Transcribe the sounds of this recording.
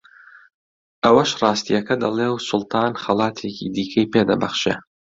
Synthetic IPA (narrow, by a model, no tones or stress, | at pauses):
ʔɐwɐʃrɑːst̪ijɐkɐd̪ɐlˠeːwsʊlˠt̪ʰɑːnxɐlˠɑːt̪ʰecḭd̪iːkʰɐjpeːd̪ɐbɐχʃḛ